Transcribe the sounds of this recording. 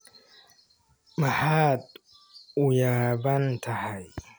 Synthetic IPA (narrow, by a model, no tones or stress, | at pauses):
mɐħaːd̪̚ | ʊjaːbɐnt̪ʰɐhɐj